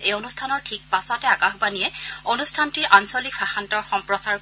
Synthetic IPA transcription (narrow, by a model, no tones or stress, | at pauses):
ejonustʰanɔɹtʰik̚pasɔtɛakaxbanijɛonustʰantiɹʔansɔlikfʰaxantɔɹxɔmpɹɔsaɹ